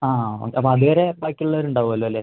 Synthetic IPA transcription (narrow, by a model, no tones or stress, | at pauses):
aːo̰keɐpːoɐðuʋeɾebajkːiɭːɐɐɾuɳɖaːʋuɐlːoːɐlːeː